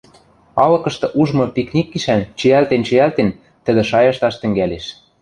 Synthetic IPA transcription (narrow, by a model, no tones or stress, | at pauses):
ɑlɤ̆kɤ̆ʃt̪ɤ̆ʔuʒmɤ̆piknʲikːiʃænt͡ɕɘ̆ælt̪ent͡ɕĭælt̪en | t̪ɘ̆d̪ɘ̆ʃɑjɑʃt̪ɑʃt̪ɘ̆ŋɡæleʃ